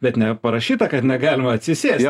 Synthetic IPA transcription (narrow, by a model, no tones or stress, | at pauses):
bʲɛt̪nʲɛpɐɾɐʃʲiːt̪ɐkɐt̪nʲɛɡɑːlʲɪmɐɐt̪ʲsʲɪsʲeːsɛ